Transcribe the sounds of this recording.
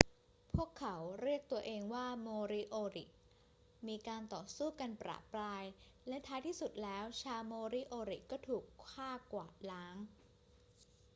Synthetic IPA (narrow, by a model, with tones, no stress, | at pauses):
pʰu˥˩əkʰːa˩˦wɾi˥˩ək̚t̪u˧ɐʔeː˧ŋwaː˥˩moː˧ɾi˦˥ʔoː˧ɾḭ˨˩ʔ | miː˧kaː˧nt̪ɔː˨˩suː˥˩ka˧npɾa̰ː˨˩pɾaː˧j | lɛ˦˥t̪ʰaː˦˥jt̪ʰiː˥˩su˨˩t̪̚lɛː˦˥wt͡ɕʰaː˧wmoː˧ɾi˦˥ʔoː˧ɾi˨˩kɔː˥˩t̪ʰuː˨˩kʰːaː˥˩kwaː˨˩t̪̚laː˦˥ŋ